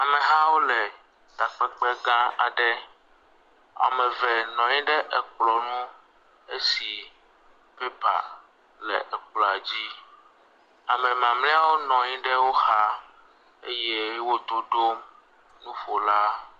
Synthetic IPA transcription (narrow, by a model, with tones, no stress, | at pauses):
a˨mẽ˨ɦa˦wo˦lɛ˨ | ɡ̪̥a˨k͡pɛ˦k͡pɛ˦ɡã˦a̰˨ɖɛ˦ | a̰˨mɛ̃˨vɛ˨nɔ̃˨ɲĩ˦ɖɛ˦ʔɛ˨k͡plɔ˨nũ˦ | e˦si˨ | pɛ˦pa̰˨ | lɛ˨ʔɛ˨k͡plɔ˨a˨d͡ʑi˦ | a˨mɛ̃˨mã˨mlɛ̃˦a˦˨wo˦nɔ̃˨ɲĩ˦ɖɛ˦wo˦xa˦ | e˦je˦wo˦d̪o˨ɖo˦m | nũ˦ɸo˨la˦